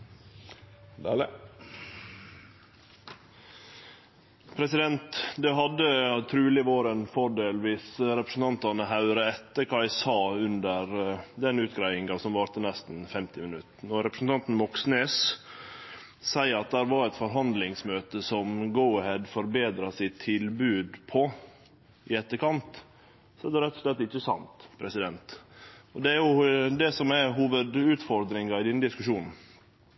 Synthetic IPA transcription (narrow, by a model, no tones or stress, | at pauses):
d̪ | pʰɾɛsɪd̪ɛnt̪d̪ɛɦɑd̪ːət̪ʰɾʉːlɪoːɾənfɔɖeːlʋiːsɾɛpɾəsn̩t̪ʰɑnt̪ɑnəɦɑʉɾəɛt̪ːəɾkʰɑɪsɑːʉnd̪əɾd̪ɛnʉːt̪ɡɾæɪɪŋɑsɔmʋɑːɾt̪ənɛst̪n̩fɛmt̪ɪmɪnʉt̪nɔɾɛpɾəsn̩t̪ʰɑnt̪n̩mɔksneːs | sæɪɾɑt̪̚d̪æɾʋɑɾɛt̪fɔɾɦɑnd̪lɪŋsmøːt̪əsɔmɡaʊhɛd̪fɔɾbeːd̪ɾɑsɪt̪ʰːɪlbʉːd̪pʰɔ | ʔɪɛt̪ːəɾkʰɑnt̪ | sɔæd̪ɛɾɛt̪ːɔ̥ʂɭɛt̪ːɪt͡ʃːəsɑ̰nt̪pʰɾɛsɪd̪ɛnt̪ɔd̪ɛæɾjʊd̪ɛsɔmɛɦuːʋəd̪ʉːt̪fɔɾd̪ɾɪŋɑɪd̪inəd̪ɪskʉʂuːnn̩